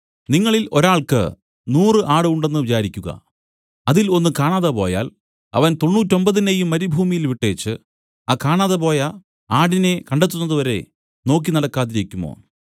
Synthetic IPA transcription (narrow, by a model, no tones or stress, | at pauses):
niŋːɐɭilo̞ɾaːɭkɨ̰ | nuːrɨʔaːɽɨuɳɖe̞nːɨʋit͡ɕaːɾikʲːuɣɐ̰ | ɐðilo̞nːɨkaːɳaːðɐpo̞ːja̰ːl | ɐ̰ʋɐnt̪o̞nːuːtːo̞mbɐðinejumːɐɾibʱuːmijilʋiʈːe̞ːt͡ɕːɨ | akaːɳaːðɐpo̞ːjɐ | aːɽine̞kɐɳɖe̞t̪ːunːɐðɨʋɐɾe̞̰ | no̞ːk̬ːinɐɽɐkːaːðiɾekʲːumo̰ː